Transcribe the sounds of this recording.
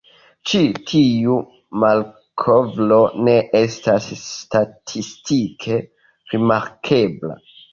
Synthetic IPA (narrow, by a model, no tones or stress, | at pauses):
t͡ʃitʰiu | mal | kʰovlo̞ne̞ʔestastatʰistikʰe̞ | ɾimaɾkʰe̞bla̰